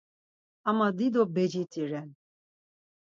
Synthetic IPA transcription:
amad̪id̪ɔbɛd͡ʒit̪ʰiɾɛn

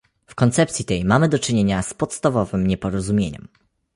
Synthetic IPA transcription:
fkɔnt̪sɛp̚t̪sʲit̪ɛjmamɘd̪ɔt͡ʂɘɲeɲaspɔt̪st̪avɔvɘmɲɛpɔɾɔzumʲjeɲɛ̰m

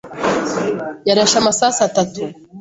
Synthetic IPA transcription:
jaɾaʃamasaːsatatu

